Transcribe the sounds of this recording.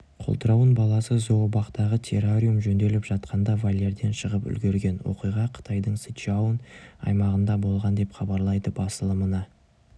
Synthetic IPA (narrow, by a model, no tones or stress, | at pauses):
qʰolˠt̪əɾɑwənbɑlˠɑsəzobɑqt̪ɑʁət̪ʲʰe̞rorʲijumʒɵnd̪e̞lɪpʒ̥ɑt̪̚qʰɑnd̪ɑvalʲːeɾd̪e̞nʃəʁəpʏ̰lɡʲe̞ɾɡʲe̞nwo̞̰qijʁɑqʰə̥t̪ʰɑjd̪əɴsiawənɑ̰jmɑʁənd̪ɑbo̞lˠʁɑnd̪e̞pχɑbɑɾlˠɑjd̪əbɑsəlˠəmənɑ